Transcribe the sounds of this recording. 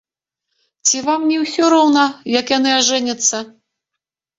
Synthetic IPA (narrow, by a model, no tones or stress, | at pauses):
t͡sʲivamnʲiwsʲɔɾɔwnɐjɐkjanɨaʐɛnʲɐt̪sːɐ